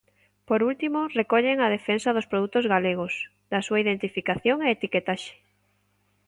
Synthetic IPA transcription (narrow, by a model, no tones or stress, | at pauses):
poɾult̪imʊrekɔʎeŋɐð̞efensɐðʊspɾoðut̪ʊzɣaleɣ̞ʊs | ðɐsuaiðent̪ifikaθjoŋeet̪iket̪aʃe̥